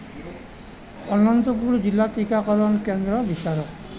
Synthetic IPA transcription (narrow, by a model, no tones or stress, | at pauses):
ɔnɔnt̪ɔpuɹzilːatikakɔlɔnkɛnd̪ɹɔbisaɹɔk